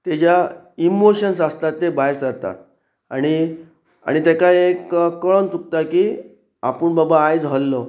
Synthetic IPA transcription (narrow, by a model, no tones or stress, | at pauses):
t̪ed͡ʑja | imoɕənsast̪at̪ːebajskəɾt̪a̰t̪̚ | a̰ɽ̃i | a̰ɽ̃it̪ekajekkːəɭənt͡suk̚t̪akiː | a̰pəɳbabaːjd͡zɦəlːɔ